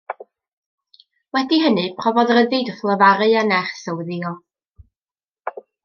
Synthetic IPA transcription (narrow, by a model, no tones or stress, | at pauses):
wɛdiɦənɨpʰrɔvɔðrəðɨdɔθlˠəvaɾɨanɛχsəwðiɔ